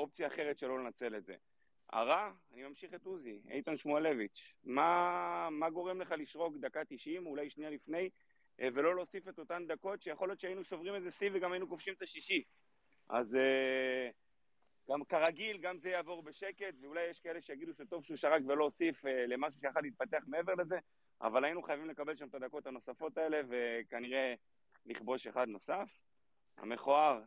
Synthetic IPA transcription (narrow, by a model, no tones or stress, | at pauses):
o̞p̚t͡sijaːχe̞ʁet̪ʃelo̞lenat͡se̞letze̞̰ | a̰ʁaː | nimamʃiχet̪uziḛjt̪anʃmuale̞vit͡ʃmamaɡo̞ʁemle̞χaliʃʁo̞kd̪akat̪iʃimulajʃnijalifne̞j | ve̞lo̞lo̞ːsife̞t̪o̞t̪and̪ako̞tʃejaχoljo̞t̪t͡ʃeainuʃo̞vʁimezesiveɡamajinukofʃimt̪aʃiʃi | ʔa̰ze | ɡ̥amkaʁaɡilɡamzejaːvo̞ʁbe̞ʃe̞ke̞tveulajːeʃkae̞le̞ʃejaɡiduʃeto̞vʃeuʃaʁakvelo̞ːsifele̞maʃ̬u̥ʃejaχadlit̪̚pate̞aχmee̞veʁle̞ze̞ | ʔa̰valajinuχajavimlekabe̞lʃamet̪ad̪ako̞t̪hano̞safo̞t̪ae̞le̞ve̞kaniʁe̞ | liχbo̞ʃe̞χad̪no̞saf | ha̰meχoaʁ